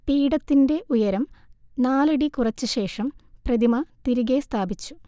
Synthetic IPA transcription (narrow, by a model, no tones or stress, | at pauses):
piːɽɐt̪ːindeʔujɐɾɐmnaːlɐɽikurɐt͡ɕːɨɕe̞ːʂɐmprɐd̪imɐt̪iɾuɣe̞st̪ʰaːbit͡ɕːu̥